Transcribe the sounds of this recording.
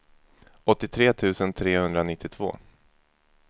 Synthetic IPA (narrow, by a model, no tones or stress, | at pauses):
ɔt̪ːɪt̪ʰɾeːt̪ʰʉ̟ːsənt̪ʰɾeːhɵnd̪ɾanɪt̪ʰːɪt̪ʰv̥o̰ː